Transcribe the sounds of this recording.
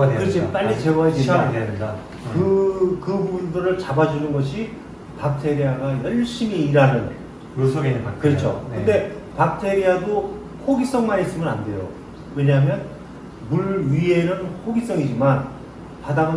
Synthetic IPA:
kɯɾʌt͡ɕʰip͈aʎːit͡ɕe̞ɡaed͡ʑit͡ɕʰadeaeda | kɯkɯbundɯɾɯɭt͡ɕabad͡ʑunɯnɡʌɕʰi | pak̚tʰe̞ɾiaɡajʌɭɕ͈imiːɾanɯn | sʰoɡenkʰɯɾʌt͡ɕʰo̰kɯnde̞ | pak̚tʰe̞ɾiado | hoɡis͈ʌŋmaɾis͈ɯmɯnande̞jo̰ | we̞ɲaɦmjʌn | muɭɥie̞nɯnhoɡis͈ʌŋid͡ʑiman | padaŋɯn

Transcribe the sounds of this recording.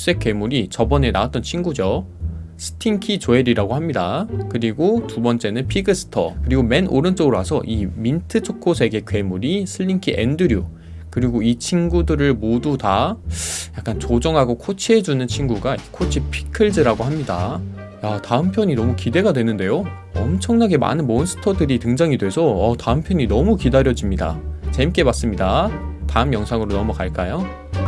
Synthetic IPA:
s͈e̞k͈we̞muɾit͡ɕʌbʌne̞na̰at̚t͈ʌnt͡ɕʰinɡud͡ʑosʰɯ̥tʰiŋkʰit͡ɕoeɾiɾaɡohamɲidakɯɾiɡotubʌnt͡ɕ͈e̞nɯnpʰiɡɯsʰɯ̥tʰʌ̰kɯɾiɡomenʔo̰ɾɯnt͡ɕ͈ʌɡɯɾoɦasʰʌ̰ʔimintʰɯt͡ɕʰokʰosʰe̞ɡe̞kwe̞muɾisʰɯʎːiŋkʰiʔḛndɯɾju | kɯɾiɡoit͡ɕʰinɡudɯɾɯɭmoduta | jak͈ant͡ɕod͡ʑʌŋɦaɡokʰot͡ɕʰiɦe̞d͡ʑunɯnt͡ɕʰinɡuɡaikʰot͡ɕʰipʰi̥kʰɯɭdɯɾaɡohamɲida | jataɯmpʰjʌɲinʌmukide̞ɡadwe̞nɯnde̞jo | ʌ̰mt͡ɕʰʌŋnaɡe̞ma̰nɯnmons͈ʰɯ̥tʰʌdɯɾitɯŋd͡ʑaŋidwe̞sʰʌʌtaɯmpʰjʌɲinʌmukidaɾjʌd͡ʑimɲida̰t͡ɕemk͈e̞bas͈ɯmɲidataɯmjʌŋsʰaŋɯɾonʌmukaɭk͈ajo

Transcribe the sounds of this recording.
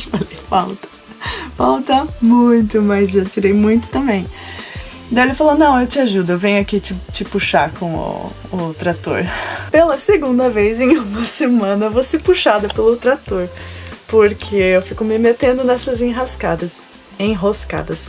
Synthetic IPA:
alifawt̪ɐ̥ | pawt̪ɐmũj̃t̪ʊmɐzʒat͡ʃiɾejmũj̃t̪ʊ̥t̪ɐ̃mbẽj̃ | d̪aelɪɐfalonɐ̃w̃ewt͡ʃɪaʒud̪ʊewvẽɲʊakit͡ʃɪt͡ʃɪpuʃakõw̃ʊ̰ː | t̪ɾat̪o̰ɾpelɐseɡũnd̪ɐvejzẽj̃ũmɐsemɐ̃nɐvosepuʃad̪ɐpelʊt̪ɾat̪oɾpoɾkʰeewfikʊmɪmet̪ẽnd̪ʊnɛsɐzẽɦaskad̪ɐs | ẽj̃ɦoska̰d̪ɐs

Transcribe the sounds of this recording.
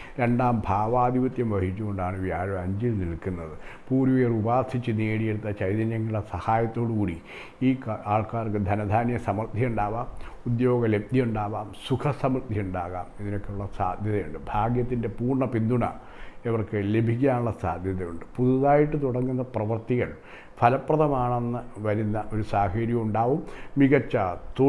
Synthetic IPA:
ɾe̞ɳɖaːmbʱaːʋaːd̪ʱiʋɐt̪jɐmʋɐhit͡ɕːuɣo̞ɳɖaːɳɨʋjaːɾoɐɲd͡ʑilnilkːunːɐðɨpuːɾuʋerubaːrsit͡ɕːɨneːɽije̞ɽut̪ːɐt͡ɕɐjd̪ɐnjɐŋːɐɽesɐhaːjɐt̪ːo̞ːɽɨkuːɽi | iːkaːɭkaːrkɨd̪ʱɐnɐd̪ʱaːnjɐsɐmrd̪ʱjiuɳɖaːʋaːmud̪jo̞ːɡɐle̞b̚d̪iuɳɖaːʋaːmsukʰɐsɐmrt̪jiuɳɖaːɣaːmiðino̞kːeuɭːɐsaːd̪ʱjɐðɐjuɳɖɨbʱaːɡjɐt̪ːinde̞puːrɳɐpind̪ʱuɳɐ̰ | eʋɐrkɨle̞bʱik̬ʲːaːnuɭːɐsa̰ːd̪ʱjɐðɐjuɳɖɨpuðuðaːjiʈːɨt̪uɽɐŋːunːɐprɐʋɐrt̪iɣɐɭ | pʰɐlɐpːrɐðɐmaːɳenːɨʋɐɾunːɐʔo̞ɾusaːhɐɾjɐmuɳɖaːʋumːiɡɐt͡ɕːaːt̪u

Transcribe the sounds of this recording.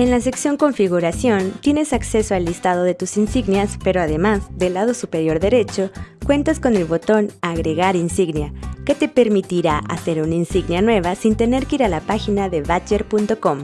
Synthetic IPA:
e̞nlas̬e̞ksjo̞ŋko̞ɱfiɣuɾasjo̞nt̪je̞ne̞sakse̞soalist̪að̞o̞ðe̞t̪usinsiɣnjaspe̞ɾo̞aðe̞mazðe̞laðo̞supe̞ɾjo̞ɾðe̞ɾe̞t͡ʃo̞kwe̞nt̪asko̞ne̞lβo̞t̪o̞naɣɾe̞ɣaɾinsiɣnjake̞t̪e̞pe̞ɾmit̪iɾaʔa̰se̞ɾuninsiɣnjanwe̞βasint̪e̞ne̞ɾkeiɾalapaxinaðe̞βat͡ʃe̞ɾpunt̪o̞ko̞m

